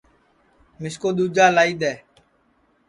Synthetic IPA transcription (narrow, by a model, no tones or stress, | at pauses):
mɪskoːɗ̪uːd͡ʒaːlaːiːd̪ɛː